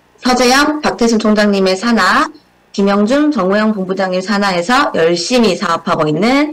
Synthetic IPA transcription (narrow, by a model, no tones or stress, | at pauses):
sʰʌd͡ʑe̞jʌmpak̚tʰesʰɯnt͡ɕʰoŋd͡ʑaŋɲime̞sʰana | kimjʌŋd͡ʑumt͡ɕʌŋujʌŋpumbud͡ʑaŋisʰanae̞sʰʌjʌɭɕ͈imisʰaːpʰabʌinːɯn